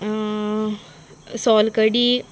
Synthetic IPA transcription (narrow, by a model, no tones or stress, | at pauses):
sɔlkəɽiː